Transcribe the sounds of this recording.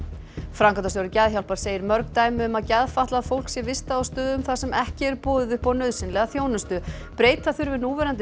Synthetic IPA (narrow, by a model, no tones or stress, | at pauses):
fɾawŋkant̪asjowɾɪcɛðçawl̥paɾ̥seːjɪɾmœɾkt̪ajmʏʏmaðcɛðfaht̪laðfowl̥ksjɛvɪst̪aːwst̪œːðʏmθasɛmɛhcɪɛɾpɔːðʏðʏhpɔnœɥðsɪnlɛɣaθjoːwnʏst̪ʏ | pɾeːjt̪θaθʏɾvɪnuvɛɾant̪